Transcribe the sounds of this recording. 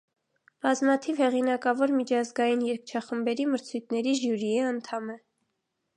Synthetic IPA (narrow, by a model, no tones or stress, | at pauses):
b̥ɑzmɑt̪ʰivhɛʁinɑkɑvɔɾmit͡ʃʰɑzɡɑjinjɛɾk̚t͡ʃʰɑχəmbɛɾiməɾt͡sʰujt̪̚ʰnɛɾiʒjuɾiɛɑnt̪ʰɑmɛ